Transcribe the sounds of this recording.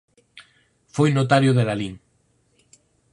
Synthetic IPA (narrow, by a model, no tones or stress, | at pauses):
fojnot̪̬aɾjʊðeɾaliŋ